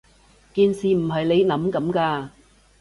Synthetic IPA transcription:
kiː˨˧nsiː˨˩m̩˨˩ɦɐ˨jle˨˧jnɐ˨˥mkɐ˨˥mkaː˧

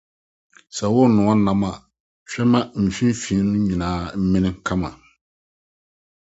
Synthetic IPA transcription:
sa˨˦wʊ˦nʊ̃˨a˦na˨ma˨ | fɛ˦ma˦m̩˨fi˦fi˨˦nʊ̃˦ɲi˨naː˨˦mɪ̃˦nɪ˦kʰa˦ma˨

